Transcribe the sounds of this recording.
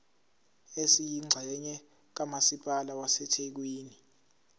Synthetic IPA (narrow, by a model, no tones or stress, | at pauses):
esijiŋ͡ǀʱɛɲɛ | k̬amasipʼalawasɛtʰek̬wiːni